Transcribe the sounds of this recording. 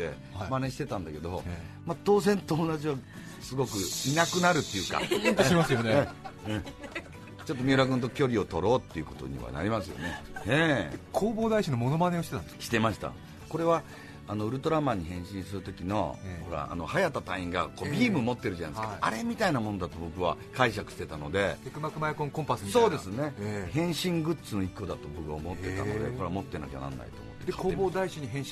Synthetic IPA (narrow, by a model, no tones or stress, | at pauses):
e | maneɕi̥t̪e̞t̪ãnd̪ake̞d̪o̞ | mat̪o̞ːzẽ̞nt̪oːnaʑiβa | sɨɡo̞kɯ̟inakɯ̟naɾɯ̟t̪ːe̞jɯ̟ːka̰t̪oimasɨjoneeɯ̃ | t͡ɕo̞t̪ːo̞mʲiːɾak̬ɯ̟̃nt̪̬o̞kʲo̞ɾʲio̞t̪o̞ɾo̞ːt̪ːe̞iɯ̟ko̞t̪o̞̰ɲ̟ḭβa̰na̰ɾʲimasɨjo̰neekʰoːbo̞ːd̪aiɕinomo̞no̞mane̞oi̥t̪etãɕi̥t̪e̞maɕi̥t̪a̰ | ko̞ɾe̞βa | anoɯ̟ɾɯ̟t̪o̞ɾamaɲ̟ːihẽ̞ɰ̃ɕĩɰ̃sɨɾɯ̟t̪o̞kʲino̞̰ho̞ɾa̰a̰no̞hajat̪ːat̪aĩŋɡako̞ːbʲiːmɯ̟mo̞t̪ːe̞ɾɯ̟ʑana̰jskaa̰ɾe̞mʲit̪ainamo̞no̞d̪at̪o̞bo̞kɯ̟βa̰kaiɕ̬akɯ̟ɕi̥t̪e̞t̪ano̞d̪e̞t̪ekɯ̟makɯmajakõŋkõmpasɨso̞ːd̪e̞sɨne̞hẽ̞ɰ̃ɕĩŋɡɯ̟t͡sɨno̞ikːo̞d̪at̪o̞bo̞kɯ̟βaomo̞t̪ːe̞t̪a̰od̪ḛko̞ɾe̞amo̞t̪ːenokʲeanã̰nːa̰ḭt̪o̰ːmot̪ːed̪koːboːd̪aiɕiɲ̟iɦẽ